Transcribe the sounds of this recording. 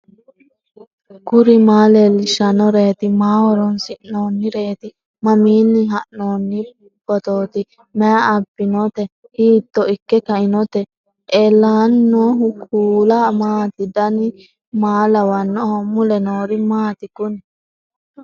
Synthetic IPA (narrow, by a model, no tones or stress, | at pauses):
kʊɾɪmaːlelɪʃɐnɔɾeːt̪ɪmaːwɔɾɔnsɪnnoːnːɪɾe̞ːt̪ɪ | mɐmiːnːɪɦɐnoːnːɪ | b̥ɔt̪oːt̪ɪ | mɛɐɐbːɪnɔt̪ɛ | hiːt̪ːɔɪkːɛkɐʔɪnɔt̪ɛ | ʔɛlːaːnːoːɦʊkʰuːlɐmaːt̪ɪd̪ɐnɪ | maːlɐwɐnːɔhɔmʊlɛnoːɾɪmaːt̪ɪkʊnɪ